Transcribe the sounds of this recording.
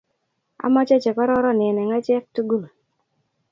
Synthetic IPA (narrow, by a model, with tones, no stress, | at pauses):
a̰˨˦mɔ˦t͡ʃɔ˦t͡ʃɛ˨kɔ˦ɾɔ˦ɾɔ˦˨nɪ˨ɛ˨nɛ˨ŋa˦t͡ʃɛ˦k̚tu˦ɡu˦˨l